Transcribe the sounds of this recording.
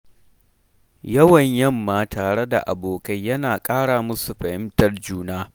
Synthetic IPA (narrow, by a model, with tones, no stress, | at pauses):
jɐ˦wɐ˨ɲjɐ˦mːaː˦tʰaː˨ɽe˦da̰˨ʔa̰˨boː˨kɐ˦jjɐ˦naː˨kʼaː˦ɽaː˨mʊ˦su˨ɸɐ˨hɪ˦mtɐ˦rd͡ʒuː˦naː˦